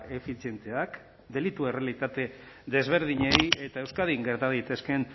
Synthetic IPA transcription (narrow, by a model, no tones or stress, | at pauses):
e̞fit͡sje̞nt̪e̞ak | d̪e̞lit̪ue̞realit̪at̪e̞ | d̪e̞zβ̞e̞ɾð̞iɲeje̞t̪ae̞wskaðiŋɡe̞ɾt̪aðejt̪e̞ske̞n